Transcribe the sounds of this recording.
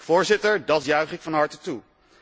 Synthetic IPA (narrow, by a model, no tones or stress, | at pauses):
fʊːɹzɪtəɹdɑtjœɥχɪkfɑnɦɑɹtətu